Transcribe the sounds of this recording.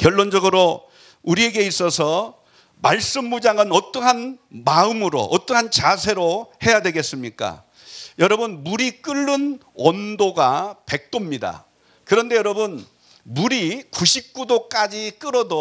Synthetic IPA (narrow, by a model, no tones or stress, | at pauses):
kjʌɭːond͡ʑʌɡɯɾo | uɾie̞ɡe̞is͈ʌsʰʌ | maɭs͈ɯmːud͡ʑaŋɯnʌt͈ʌɦanmaɯmɯɾo̰ʔʌt͈ʌɦant͡ɕasʰe̞ɾohe̞jadwe̞ɡe̞s͈ɯmɲik͈a̰ | jʌɾʌbɯnmuɾik͈ɯɭːɯn | wʌndoɡape̞k̚t͈omɲida̰ | kɯɾʌnde̞jʌɾʌbɯn | muɾikuɕʰip̚k͈udok͈ad͡ʑik͈ɯɾʌdo